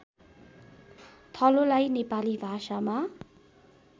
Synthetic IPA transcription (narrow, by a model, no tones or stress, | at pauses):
t̪ʰʌlolajnepalibʱasama